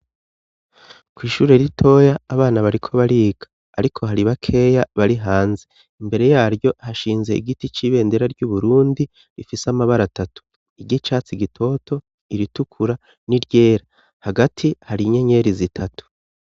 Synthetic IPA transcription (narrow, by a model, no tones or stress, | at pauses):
kwiːʃuːɾe̞ɾitʰo̞ːjaːβaːnaβaɾikʰo̞βaɾiːɡ̥ḁːɾikʰo̞ɦaɾiβakʰe̞ːjaβaɾiɦaːnze | imbe̞ɾe̞jaːɾjo̞haʃiːnze̞̰ḭɡitit͡ʃiːβe̞ːndeɾaɾɟuːβuɾuːndi | ɾifisamaβaɾatatu̥ | iɡɟit͡ʃaːt͡siɡitʰo̞tʰo̞ | iɾitukʰuɾa | niɾɟe̞ːɾa | haɡatʰihaɾiɲe̞ɲe̞ɾizitʰatu̥